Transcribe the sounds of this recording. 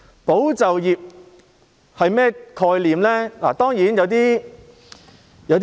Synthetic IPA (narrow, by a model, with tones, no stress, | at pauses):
po˨˥wt͡sɐ˨wjiː˨p̚ | hɐ˨jmɛː˥kʰɔː˧jliː˨˩mlɛː˥la̰ː˨˩t̪ɔː˥ŋjiː˨˥njɐ˨˧wt̪̬iː˥ | jɐ˨˧wt̪ː